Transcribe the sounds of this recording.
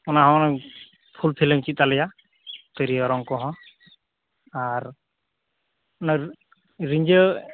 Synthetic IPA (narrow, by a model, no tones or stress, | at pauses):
ɔnaɦaɔna | pʰulpʰiləmt͡ʃit̪alɛja | t̪ɯɾiɔɾɔŋkɔɦɔ̃ | aɾ | na | ɾiɲd͡ʒə